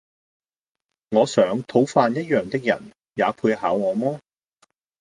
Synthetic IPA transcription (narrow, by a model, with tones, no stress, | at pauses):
ŋɔː˨˧sœː˨˥ŋt̪ʰo˨˥wfaː˧njɐ˥t̚jœː˨˧ŋt̪ɪ˥k̚jɐ̰˨˩n | jaː˨˧pʰuː˧jhaː˨˥wŋɔː˨˧mɔː˥